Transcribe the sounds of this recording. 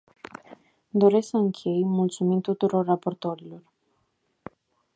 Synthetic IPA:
d̪o̞ɾe̞sksəɨŋkʲʰe̞jmult̪sumint̪ut̪uɾo̞rːapo̞rt̪o̞ɾilo̞r

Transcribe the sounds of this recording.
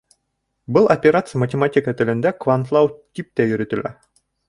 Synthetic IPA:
bɯlˠɐpʲeɾat̪sɨjəmɐtʲɪmat̪ʲikət̪ɘ̆lʲɘ̆nd̪ɛkvant̪lˠɑwt̪ʲip̚t̪æjɵ̆ɾɵt̪ɘ̆lʲæ̰

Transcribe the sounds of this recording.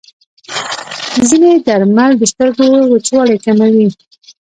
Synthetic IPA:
zined̪aɾmald̪əst̪əɾɡowət͡ʃwɑlajkamawi

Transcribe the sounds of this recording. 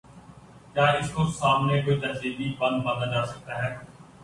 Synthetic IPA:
jaːɪskosaːmneːkoit̪əɾziːd̪iːbən̚bəd̪əd͡ʒaːsək̚t̪aːɦɛː

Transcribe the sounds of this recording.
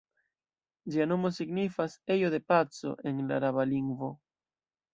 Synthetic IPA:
d͡ʒiano̞mo̞siɡnifase̞jo̞d̪e̞pat͡so̞̰ʔe̞nla̰ɾaβaliŋɡvo̞

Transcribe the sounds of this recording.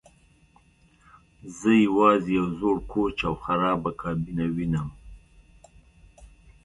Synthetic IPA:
zəjawɑzejawzoɽkʰot͡ʃawxaɾɑːbakɑːbinawinəm

